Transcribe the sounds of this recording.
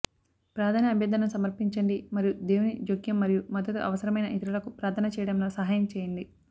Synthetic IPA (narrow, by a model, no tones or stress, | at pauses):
pɾaːd̪ʰɐnɐɐbʱjɐd̪ʱɐnɐmsɐmɐɾpiɲt͡ʃɐɳɖimɐɾijud̪eːwunid͡ʒoɡjɐmːɐɾijumɐd̪ːɐt̪uʔɐ̰ʋɐsɐɾɐmɐjnɐʔit̪iɾɐlɐkupɾaːt̪ʰɐnɐt͡ʃɛːjɐɽɐmloːsɐɦaːjɐmt͡ʃeːjɐɳɖi